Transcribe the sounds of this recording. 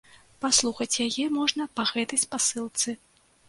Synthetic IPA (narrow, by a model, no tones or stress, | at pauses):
paslˠuxɐt͡sʲjajɛmɔʐnɐpaɣɛt̪ɐjspasɨlˠt̪sɨ